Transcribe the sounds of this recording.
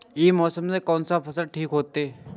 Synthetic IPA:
jeːmɔːsəmsekɔːnsapʰɐsəlʈʰiːkɦoːt̪eɛ

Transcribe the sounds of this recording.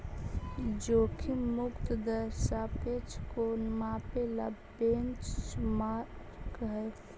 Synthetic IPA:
d͡ʒoːkʰimʊkt̪d̪əɾʃapet͡ʃʰkonmapelabbent͡ʃma | kəɦe

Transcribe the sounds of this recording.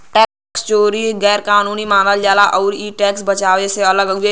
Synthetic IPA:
ʈɛː | st͡ʃoːɾiːɡɛːɾkaːnuːniːmãːnald͡ʒaːlaʔɔːɾiːʈɛːksbət͡ʃaːʋeseələɡəe

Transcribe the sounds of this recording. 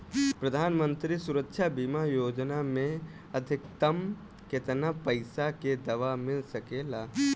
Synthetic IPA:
pɾəd̪ʱaːnmə̃nt̪ɾisʊɾəkːʃʰabimajoːd͡ʒnamẽ | əd̪ʱɪk̚t̪əm | ket̪napəɪsaked̪ɐʋamɪlsəkelaː

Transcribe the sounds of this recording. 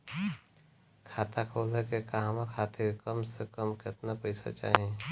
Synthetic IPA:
kʰaːt̪akʰoːlɛkekaɦãmãkʰaːt̪ʰekəmsekəmket̪napɐɪsa̰t͡ʃa̰ːɦẽ

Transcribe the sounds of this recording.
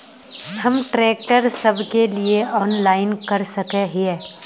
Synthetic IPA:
hɐmʈɾɛːkʈəɾsɐbʱkelieɔːnlaːɪnkɐɾsɐkeɦiɛː

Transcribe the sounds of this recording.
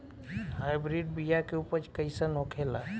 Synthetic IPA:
hajbɾiɖbijakeupəɾt͡ʃkəjsənokʰela

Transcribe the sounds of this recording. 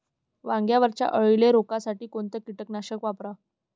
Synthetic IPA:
ʋãŋɡjaʋəɾt͡ɕja̰ʔəɭileɾokasaʈiːkoɳt̪əkiʈəknaɕəkʋapɾa

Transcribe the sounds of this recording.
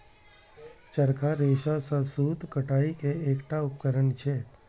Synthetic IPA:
t͡ʃəɾkʰaɾeːʃasãsuːt̪kəʈaːikeeːkʈaʊp̚kəɾəɳt͡ʃʰeː

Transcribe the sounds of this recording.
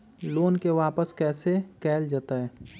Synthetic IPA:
loːnkeʋaːpəskɛːsekɛːld͡ʒaːt̪aɦɛː

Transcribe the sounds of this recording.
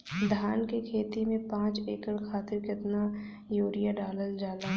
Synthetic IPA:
d̪ʱaːnkekʰeːt̪imẽpãːt͡ʃeːkəɽkʰaːt̪ɪɾkɪt̪na | joːɾijaɖaːləld͡ʒaːlaː

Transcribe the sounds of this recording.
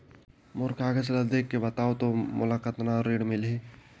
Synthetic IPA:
mʊɾkʰaːɡəselɐd̪ekːebɐt̪aːot̪omʊlakət̪naɾeːɽmɪlɦi

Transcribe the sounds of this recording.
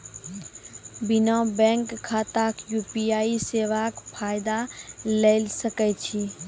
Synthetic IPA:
bɪnãbɛ̃ŋkʰːaːt̪akjuːpijaːiseʋakpʰaːɪd̪aleɪlsəkɛt͡ʃʰi

